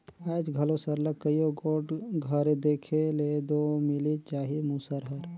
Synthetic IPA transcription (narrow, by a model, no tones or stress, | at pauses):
əːd͡ʒɡʱəlosəɾləkːəijoɡoːʈɡʱəɾed̪eːkʰeled̪omɪlit͡ʃaːɦimusəɾɦəɾ